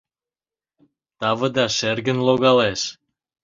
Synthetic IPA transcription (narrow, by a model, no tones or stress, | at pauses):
t̪ɑvə̆d̪ɑʃerɣənloɣɑleʃ